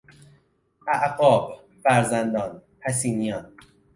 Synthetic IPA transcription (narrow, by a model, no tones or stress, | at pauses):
ʔæʔɢɒːb | fæɾzænd̪ɒːnpʰæs̬iːnijɒːn